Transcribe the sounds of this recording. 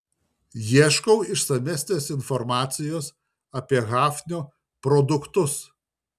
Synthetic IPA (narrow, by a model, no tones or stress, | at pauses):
jiɛʃkɐʊɪʃsɐmʲæːsʲnʲeːsɪnfɔɾmɑːt̪sʲɪjoːs | ɐpʲiɛɣɑːfʲnʲuː | pɾɔd̪ʊkt̪ʊs